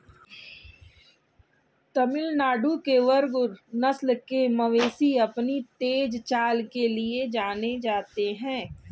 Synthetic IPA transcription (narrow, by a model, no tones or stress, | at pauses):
t̪ɐmɪlnaːɖukeʋɐɾɡʊɾnɐslkemɐʋeːsiɐpnit̪eːd͡ʒt͡ʃaːlkelied͡ʒaːned͡ʒaːt̪eɦɛ̃ː